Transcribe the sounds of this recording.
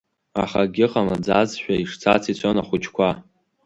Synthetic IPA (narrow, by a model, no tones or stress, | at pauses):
aχaɡʲɪqʼamad͡zazʃᶣʷaiʂt͡sʰa̰t͡sʰit͡sʷʰonaχʷʊt͡ʃʰkʷʰa